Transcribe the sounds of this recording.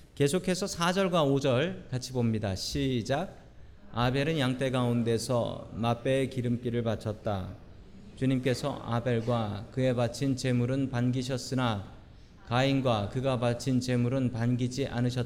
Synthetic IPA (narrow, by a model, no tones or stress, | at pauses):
ke̞sʰokʰe̞sʰʌsʰad͡ʑʌɭɡwaod͡ʑʌɭkat͡ɕʰibomɲidaɕʰid͡ʑaɡ̚ | abe̞ɾɯnjaŋt͈e̞ɡaunde̞sʰʌ̰map͈e̞ːkiɾɯmk͈iɾɯɭpat͡ɕʰʌt̚t͈a | t͡ɕuɲimk͈e̞sʰʌ̰a̰be̞ɭɡwakɯe̞bat͡ɕʰint͡ɕe̞muɾɯnpanɡiɕ̬ʰʌs͈ɯna | kainɡwakɯɡapat͡ɕʰint͡ɕe̞muɾɯnpanɡid͡ʑiʔa̰nɯɕ̬ʰʌt